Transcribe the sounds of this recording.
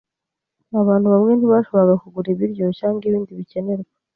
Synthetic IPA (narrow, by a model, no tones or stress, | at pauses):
aβaːntuβamŋe̞nhiβaʃo̞βoɾaɡakuɡuɾiβiɾɟo̞caːŋɡiβiːndiβice̞ne̞ɾɡa